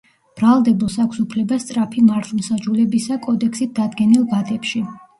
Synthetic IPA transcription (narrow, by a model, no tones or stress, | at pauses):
b̥ɾalˠd̪ɛbusakʷʰsupʰlɛbast̪sʼɾapʰimaɾt̪ʰmsad͡ʒulɛbisakʼɔd̪ɛkʰsit̪̚d̪ad̪ɡɛnilˠbad̪ɛpʃi